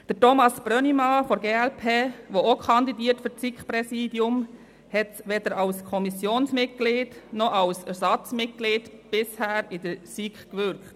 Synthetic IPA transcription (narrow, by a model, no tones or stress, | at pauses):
d̥ətɔmɑsb̥ɾœnimɑfoɾɡeːɛlpʰeːʋookʰɑnd̪idiːəɾtfʏsikχpɾɛsiːdjʊm | hɛtʋɛd̥əɾɑlskʰɔmisjoːnsmɪt̚ɡ̥lɪːtnɔʔɑwsɛɾsɑt͡smɪt̚ɡ̥liːtb̥ɪshæːɾɪd̥əɾsikχkʋʏɾkχt